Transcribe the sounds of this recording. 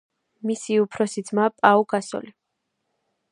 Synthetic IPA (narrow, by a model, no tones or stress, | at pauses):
misiupʰɾɔsid̪zmapʼauɡasɔ̰li